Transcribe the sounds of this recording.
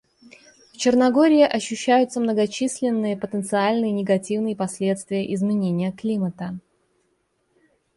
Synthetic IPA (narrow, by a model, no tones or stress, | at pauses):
ft͡ɕɪrnɐɡo̞ɾʲɪɪʔɐɕːʉɕːæjʊt̪səmnəɡɐt͡ɕisʲlʲɪnːɨjəpət̪ənt̪sɨalʲnɨjənʲɪɡɐtʲivnɨjəpɐsʲlʲe̞t̪st̪vʲɪjəʔɪzmʲɪnʲenʲɪjəklʲimət̪ə